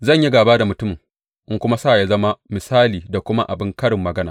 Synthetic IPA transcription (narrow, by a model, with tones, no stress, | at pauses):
zɐ˦˨ɲ˨ji˦ɡaː˨baː˦da˨mʊ˨tʊ˦mɪ˨ŋ | ʔɪ˦ŋkʷʊ˦ma˦saː˦˨ja˦zɐ˦ma˦mɪ˨saː˦liː˨da˨kʷʊ˦ma˦ʔa˨bɪ˦ŋkɐ˦ɽɪ˨mːɐ˨ɡɐ˦na̰ː˨